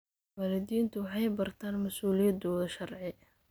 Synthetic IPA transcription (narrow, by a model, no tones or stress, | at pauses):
mɐlɪd̪iːnt̪ʰʊwɑħɑjbɐrt̪ʰaːnmɐsuːlɪjɐd̪ɔːðɐʃɐrʕɪ